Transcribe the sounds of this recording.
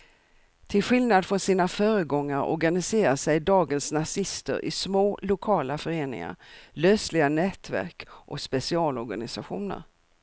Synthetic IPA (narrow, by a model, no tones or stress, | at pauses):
t̪ʰɪlɧɪlnad̪fɾɔnsiːnafœːɾəɡɔŋːaɾɔ̰ɾɡanɪseːɾasɛjd̪ɑːɡənsnasɪst̪ə̰ɾʔɪ̰smoːlʊkʰɑːlafœɾeːnɪ̰ŋa̰ɾløːslɪɡanɛːt̪ʰvæ̰ɾkʔɔkspɛsɪɑːlɔɾɡa̰nɪsaɧuːnə̰ɾ